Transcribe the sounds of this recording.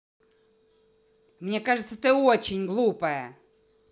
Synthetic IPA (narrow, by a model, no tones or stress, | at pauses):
mnʲekaʐɨt̪sət̪ɨot͡ɕɪnʲɡlˠupəjə